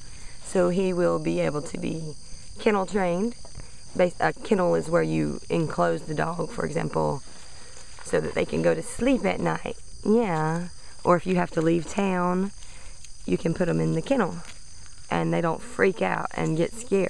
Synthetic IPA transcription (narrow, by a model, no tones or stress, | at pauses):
soʊiwɪlˠbieɪbl̩ˠtʰɨbḭ | kʰɪ̃nl̩ˠtʰɹ̥ẽɪ̃nd | beɪsɨkʰɪ̃nl̩ˠɪzwə˞jɨ̰ɪ̰̃nkʰl̥oʊzðɨdɔɡ̥fə̰˞ɨ̰ɡzæ̰̃mpl̩ˠ | soʊðɨ̰t̪̚ðeɪkʰɨ̃nɡoʊɾɨslipɨ̰tⁿnaɪt̚ | jæ | ʔə˞ɨfjɨhæftəliv̥tʰãʊ̃n | jɨkʰɨ̃npʰʊɾɨ̃mɨ̃nðɨkʰɪ̃ñl̩ˠ | ʔɨ̃nðeɪɾõʊ̃ntfɹika̰ʊt̚ɨ̰̃nɡɛtskɛɹ̥̚